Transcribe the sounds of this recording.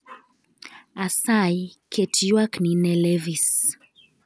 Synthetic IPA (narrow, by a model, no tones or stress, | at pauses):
asajkʰɛtʰiwakninɛlɛvis